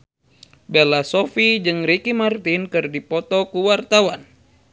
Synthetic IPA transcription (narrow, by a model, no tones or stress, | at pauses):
bɛlasɔfid͡ʒɨŋɾikimart̪inkɨrdipɔt̪ɔkuwart̪awan